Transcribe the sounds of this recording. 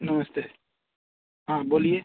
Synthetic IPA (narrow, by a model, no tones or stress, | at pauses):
nɔməst̪e | ɦãbolije